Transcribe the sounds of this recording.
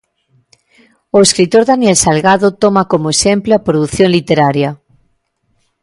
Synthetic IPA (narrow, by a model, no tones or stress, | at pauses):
oeskɾit̪oɾðanjelsalɣaðot̪omakomoesempleapɾoðuθjonlit̪eɾaɾja